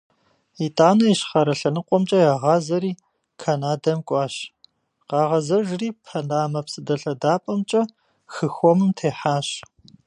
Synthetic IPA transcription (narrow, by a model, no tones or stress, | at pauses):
itʼaːnɐjɕχɐɾɐɬɐnɨqʷʼɔmt͡ʃʼɐjaːʁɑːzɐɾiː | kʰanaːdɐmkʷʼɑːɕ | qɑːʁɐzɐʒriːpʰɐnaːmɐpsɨdɐɬɐdaːpʼɐmt͡ʃʼɐ | xɨxʷɔmɨmtʰeːħaːɕ